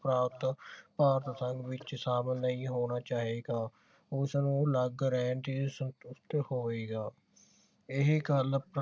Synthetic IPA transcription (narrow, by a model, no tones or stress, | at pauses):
pɾaːpt̪paːɾt̪səŋɡʋɪt͡ʃsaːməlnːəĩːɦoːɽ̃aːt͡ʃaːɦeːɡaː | ʊsnũləɡɾɛːnt̪iːsənt̪ʊst̪hoːeːɡaː | ɪɦɡəlp